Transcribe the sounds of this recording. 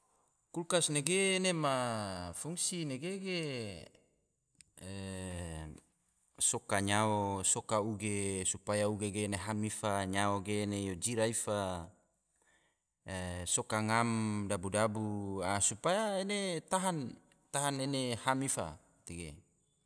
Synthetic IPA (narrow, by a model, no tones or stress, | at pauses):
kulkasneɡeːnemafuŋsineɡeɡe | sokaɲaosokauɡesupajauɡeɡeːneɦamifaɲaoɡeːnejod͡ʒiɾaifa | sokaŋamdabudabuasupajaenet̪aɦan | t̪aɦanenehamifa̰ | t̪eɡe